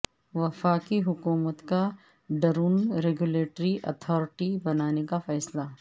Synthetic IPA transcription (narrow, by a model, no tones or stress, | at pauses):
ʋɐfaːkiɦʊkuːmət̪ka | ɖɐɾuːnɾeɡʊleːʈɾiʔɐ̰t̪ʰɔːɾɪʈibɐnaːnekafɛːsla